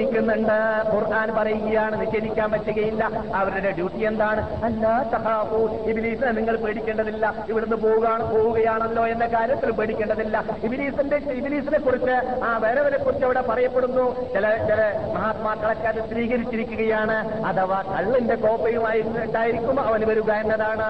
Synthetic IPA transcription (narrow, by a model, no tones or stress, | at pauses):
ikʲːunːɐɳɖɨkurʔaːnpɐrɐjuɣɐjaːɳɨniɕeɾikʲːaːnʋɐtːuɣɐjilːɐɐʋɐɾuɽeɖjuːʈːije̞nd̪aːɳɨ | ɐlːaːsɐhaːfuibiniːsineniŋːɐɭpeːɽikʲːeɳɖɐðilːɐiʋiɽenːɨpo̞ːɣuɣaːɳɨpo̞ːɣuɣɐjaːɳɐlːo̞ːenːɐkaːɾjɐt̪ːilpeːɽikʲːeɳɖɐðilːɐibiniːsinde̞ibiniːsinekːurit͡ɕːɨaːʋe̞ːɾeɐʋɐnekːurit͡ɕːɐʋiɽe̞pɐrɐjɐpːeɽunːut͡ɕilɐt͡ɕilɐmɐɦaːt̪maːk̪ːɐɽɐkːaːt̪ːesriːkɐɾit͡ɕːiɾikʲːuɣɐjaːɳɨ | ɐðɐʋaːkɐɭːinde̞ko̞ːpːɐjumaːjiɾuɳɖaːjiɾikʲːumːɐʋɐnʋɐɾuɣɐenːɐðaːɳɨ